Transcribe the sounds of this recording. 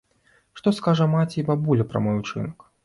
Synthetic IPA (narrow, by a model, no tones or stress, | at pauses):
ʂt̪ɔskaʐɐmat͡sʲɛibabulʲɐpɾɐ̰mɔjut͡ʂɨ̰nɐk